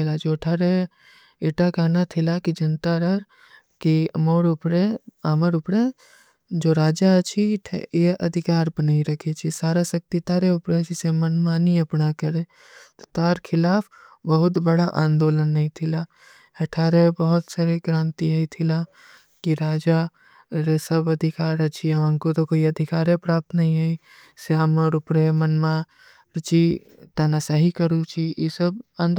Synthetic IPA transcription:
lad͡ʒoːʈʰaɾe | eʈakaːnat̪ʰɪlakid͡ʒənt̪aɾəɾ | kimoːɽʊpɾeaːməɾʊpɾe | d͡ʒoːɾaːd͡ʒat͡ʃʰiʈʰjeɐ̰d̪ʱɪkaːɾbənaːiɾɐkʰet͡ʃʰisaːɾasɐk̚t̪it̪aːɾeʊpɾed͡ʒɪsemənmaːniɐpnakəɾe | t̪o̥t̪aːɾkʰɪlaːpʰ | bəɦʊt̪bəɽaʔãːnd̪oːlənːɐɦĩt̪ʰɪla | ɐʈʰaːɾebəɦʊt̪saːɾeɡɾãːnt̪iɦɐit̪ʰɪla | kiɾaːd͡ʒa | ɾesəbɐd̪ʱɪkaːɾət͡ʃʰiɐʋãːŋkot̪okoːiɐd̪ʱɪkaːɾepɾaːp̚t̪nɐɦĩɦɛi | saːməɾʊpɾemənmã | ɾt͡ʃi | t̪ɐnasaɦikəɾũt͡ʃʰijesəbãːnd̪

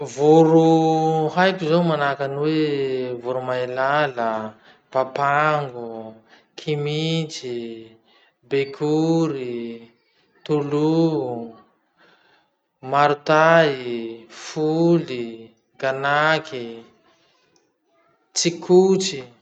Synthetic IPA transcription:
vuɾuhajkuzowmanakanwevuɾumailalə | papaŋɡu | kʰimit͡ʃi | bekʰuɾi | t̪ulu | maɾut̪aifuli | ɡanakʰi | t͡sikʰut͡si

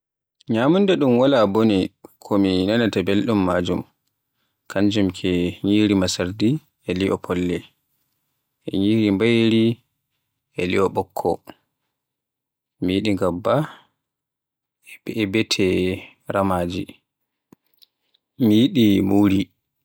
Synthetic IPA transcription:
ɲamundɛɗumwalabonikʰɔminanatabelɗumːaːd͡ʒum | kʰaɲd͡ʒumkʰɛɲiːɾimasaɾdi | ɛliʔɔpʰɔlːɛ | ʔɛ̰ɲiɾimbajɾi | ʔɛliɔɓɔkʰːɔ̰ | mijiɗiŋɡabːa | ɛbɛɛbɛtʰɛ | ɾamaːd͡ʒi | mijiɗimuɾi

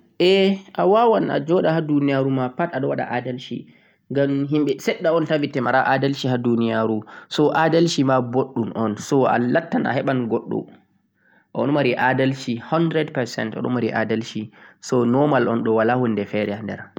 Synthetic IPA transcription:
ʔɛʔawawana̰d͡ʒɔɗahadunijaɾumapataɗɔwaɗa̰ʔadalʃḭ | ŋɡamɦimɓɛsɛɗːaɔntavitːɛmaɾaʔadalʃiɦadunijaɾusɔʔadalʃimaboɗːunʔɔnsɔa̰latːana̰ɦɛɓanɡɔɗːɔ̰ | ʔɔ̰nmaɾiʔadalʃihɔndɾɛdpɛɾsɛ̰ntɔ̰ɗɔ̰maɾiʔadalʃisɔnɔmalʔɔnɗɔwalahundɛfɛɾɛndɛ̰ɾ

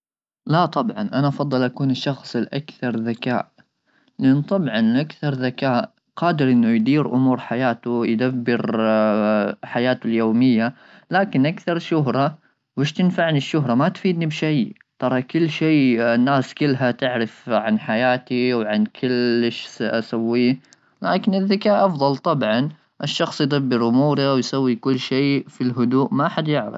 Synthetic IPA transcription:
lat̪ˤɑbʕɑnʔanaʔɑfɑd̪ˤːɨlʔakuːnɪʃːɑxsˤɪlʔa̰kθɑɾˤðaka̰ːʔ | lɪʔɪnt̪ˤɑbʕɑnʔakθɑɾˤðakaːʔ | qɑːd̪ɪɾʔɪnːʊjd̪iːɾʔʊmuːɾħajaːt̪ʊjd̪abːɪɾ | ħajaːt̪ʊljoːmɪjːa | laːkɪnʔakθɑɾˤʃʊɦɾˤɑ | wɪʃt̪ɪnfaʕnɪʃːʊɦɾˤɑmat̪fiːd̪nibʃaj | t̪ˤɑɾˤɑkɪlːʃiːnːaːskɪlːɦat̪ɪʕɾɪfʕanħajaːt̪iwʕankʰɪlɪʃsʔasawːiː | laːkɪnɪðːakaːʔʔɑfðˤɑlt̪ˤɑbʕɑn | ʔɪʃːɑxsˤjd̪abːɪɾʔʊmuːɾawjsawːikʊlːʃeːfilɦʊd̪uːʔmaʔaħad̪jɪʕɾɪ̰f

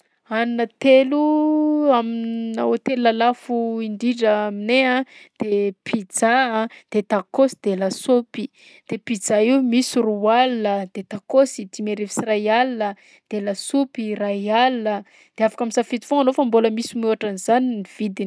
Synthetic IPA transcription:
annət̪elu | amina̰ot̪elulalafuiɳɖ͡ʐiɖ͡ʐəamineãd̪̥epʰid͡zaad̪̥et̪akosi̥d̪̥elasopi | d̪̥epid͡zaiwmisurualnəd̪̥et̪akosid̪imeɾevi̥sirajalnə | d̪̥elasupiraialnə | d̪̥eafḁkamisafit̪i̥foŋanofamboləmisimuaʈ͡ʂanizaniniv̥id̪in

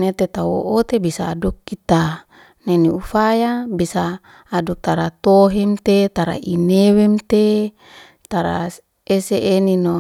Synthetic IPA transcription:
net̪et̪awo̰ʔot̪ebisaːdukːit̪a | neniufajabisaː | duk̚t̪aɾat̪oɦemt̪et̪aɾa̰ʔinewemt̪e | t̪aɾa̰ | eseʔenino

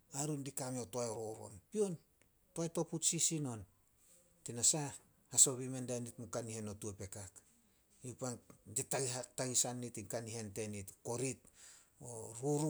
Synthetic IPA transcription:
aɾundikameotoajɾoɾo̰mpio̞n | toajto̞putsisino̞n | tinasa | haso̞βimendanitmukanihe̞notuape̞kak | iupaditaɡiataɡisanːitiŋkaniɦe̞nte̞nitko̞ɾit̚ | oɾuɾu

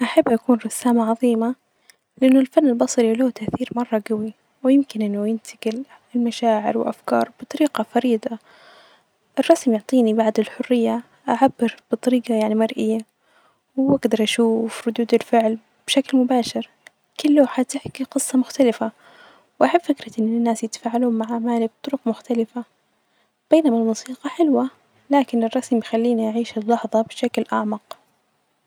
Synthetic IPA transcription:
ʔaħabːʔakuːnɾˤɑsaːmaʕɑðˤiːma | lɪʔanːʊlfanːɪlbɑsˤɾiloːt̪aʔθiːɾmɑrˤːɑɡawi | wɪjɪmkɪnʔɪnːʊjɪnt̪ʰɪɡɪl | ɪlmaʃaːʕɪɾwɪ̰lʔafkɑ̰ːɾˤb̥ɨt̪ˤɑɾiːqɑfɑɾiːd̪ˤɑ | ʔɪrˤːɑsmjʊʕt̪ˤiːnibaʕd̪ɪlħʊrːɪjːa | ʔaʕabːɪɾb̥ɨt̪ˤɑɾiːqɑjaʕnimɑɾˤʔɪjːa | wʔaɡd̪ɑɾˤʔaʃuːfɾʊd̪uːd̪ɪlfɪʕl | b̥ʃaklmʊbaːʃɪɾ | kɪlːoːħad̪̚t̪ɪħkiqɨsˤːɑmʊxt̪alɪfa | wʔaħabːfɪkɾɑʔɪnːɪnːaːsjɪt̪ḁfaːʕaluːmmaʕaʕmaːlib̚t̪ˤʊɾʊqmʊxt̪alɪfa | b̥eːnamalmusiːqɑħɪlwa | laːkɪnɪrˤːɑsmjxalːiːniʔaʕiːʃɪlːɑħðˤɑbʃaklʔaʕmɑq

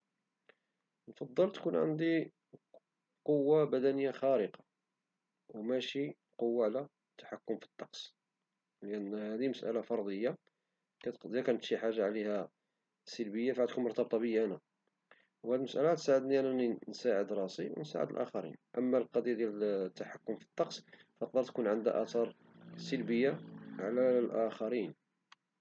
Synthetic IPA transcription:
nfɑd̪ˤːəlt̪kunʕə̰nd̪i | qowːabæd̪ænəjːaxæɾəqɑ̥ | wmæʃi | qowːaʕlæ | t̪ːḁħakːʊmfi̥t̪ːɑqs | lʔænːhæd̪iməsʔæ̰lafɑɾˤd̪ˤəjːa | kæd̪ækænət̪ʃiħaʒːaʕlihæ | səlbəjːafʕæt̪kunmʊɾt̪ɑb̚t̪ˤɑbəjʔænæ | whæd̪ilməsʔælaht̪saʕəd̪niʔænæninsaʕəd̪ɾˤɑsiwnsa̰ʕə̰d̪əlʔæ̰xɑɾḭnʔəmːælqɑd̪ˤjad̪jælət̪ːaħakːʊmfi̥t̪ˤːɑqs | fəq̚d̪əɾˤt̪kunʕənd̪æ̰ʔɑt̪ɑɾˤ | səlbəjːaʕlælʔæxɑɾin

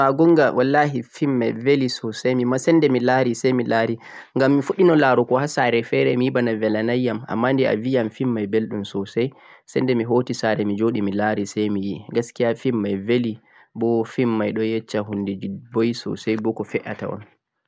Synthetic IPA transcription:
aɡɔŋɡawʔalːahifimːajvelisɔsajmimasɛndɛmilaɾisajmilaɾi | ŋɡamːifuɗinɔlaɾɔkɔhasaɾɛfɛɾɛmijibanavɛlanajːama̰mːandɛa̰vijamfimːajbelɗumsɔsaj | sɛndɛmiɦotisaɾɛmid͡ʒoɗimilaɾisajmijiɡaskijafimːajveli | bɔfimːajɗɔjɛt͡ʃːaɦundɛd͡ʒibɔjisɔ̰sajbɔkɔfɛʔa̰ta̰ɔ̰n

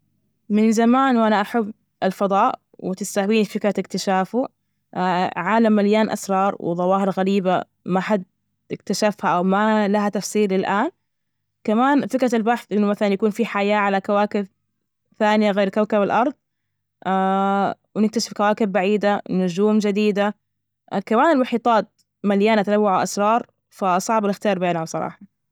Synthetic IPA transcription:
mɪnzamaːnwʔanaʔaħabː | ʔɪlfɑd̪ˤɑːʔ | wɪt̪ɪst̪ahwiːnifɪkɾat̪ɪkt̪ɪʃaːfu | ʕaːlamːaljaːnʔa̰sɾˤɑːɾˤwɪ̰ðˤɑwɑːhɪɾɣaɾiːba | maħad̪̚ | ɪkt̪aʃafhaʔawmalahat̪ɑfsˤiːlːɪlʔaːn | kamaːnfɪkɾaɪlbaħθʔɪnːʊmaθalanjakuːnfiħajaːʕalakawaːkɪb | θaːnɪjaɣeːɾkawkabalʔɑɾˤðˤ | ʔaːwnɪk̚t̪aʃɪ̥fkawaːkɪbːaʕiːd̪anʊd͡ʒuːmd͡ʒɪd̪iːd̪a | kamaːnɪlwɑħiːt̪ˤɑːt̪̚ | maljaːnat̪anawːaʕaʔa̰sɾˤɑːɾˤ | fasˤɑʕbɪlɪxt̪ɪjɑːɾˤbeːnawsˤɑɾˤɑ̰ːħɑ

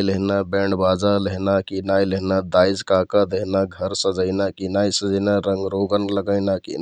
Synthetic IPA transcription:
jleɦnabeɳɖbad͡ʒaleɦnakinajleɦnad̪ajd͡ʒkakad̪eɦnaɡʱəɾsə̃d͡ʒəɪnakinajsəd͡ʒənaɾəŋɡɾoɡənləɡəɪnakḭn

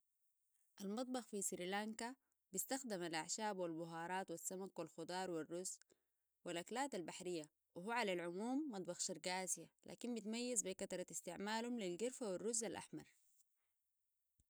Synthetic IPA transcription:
ʔalmɑt̪̚ˤbɑxfisɾilaŋka | bist̪axd̪amalʔaʕʃaːbwalbʊɦɑːɾˤɑːt̪wasːamakwalxʊd̪ˤɑːɾˤwirːuzː | wilʔaklaːt̪albaħɾijːa | wɪɦuːʕalalʕʊmuːmːɑt̪̚ˤbɑxʃɑɾˤɡaːzijalʔa̰ːkimbit̪majːazbikɑt̪ɾˤɑɪst̪ɪʕmaːlhumlilɡɪɾfawirːuzːalʔa̰ħmɑ̰ɾˤ

